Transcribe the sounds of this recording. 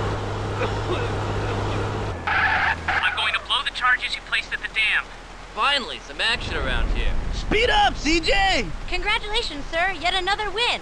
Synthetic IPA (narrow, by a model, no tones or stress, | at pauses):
ãɪ̃mɡoʊɪ̃ŋtʰəbloʊðɨt͡ʃʰɑɹd͡ʒɨz̥hipʰl̥eɪstɨt̪̚ðɨdæ̃m | fãɪ̃nl̩ˠḭsʌ̃mækʃɨ̃nə˞ã̰ʊ̃nd̚hḭɹspiɾʌpsid͡ʒeɪkʰɨ̃nɡɹæt͡ʃɨleɪʃɨ̃nz̥sɜ˞jɛɾɨnʌðə˞wɪ̃n